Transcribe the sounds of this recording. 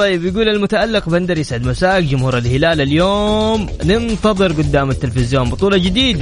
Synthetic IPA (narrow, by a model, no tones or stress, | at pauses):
t̪ˤɑjːɪbjɪɡuːlalmʊt̪aʔalːɪqband̪ɑɾjɪsʕɪd̪masaːkd͡ʒʊmhuːɾalhɪlaːlaljoːm | nɪnt̪ɑðˤɨɾɡʊd̪ːaːmat̪ːɪlfɪzjoːnbɨt̪ˤuːlɑd͡ʒɪd̪iːd̪a